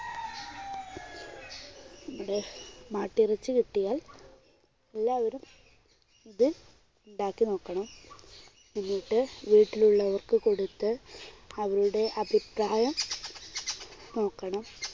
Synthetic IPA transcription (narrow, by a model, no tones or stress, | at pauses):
nɐmːuɽe̞maːʈːirɐt͡ɕːɨkiʈːijaːl | elːaːʋɐɾum | iðɨ | uɳɖaːkːino̞ːkːɐɳɐm | ninːijʈːɨʋiːʈːiluɭːɐʋɐrkɨko̞ɽut̪ːɨɐʋɐɾuɽe̞ʔɐbʱipraːjɐm | no̞ːkːɐɳɐm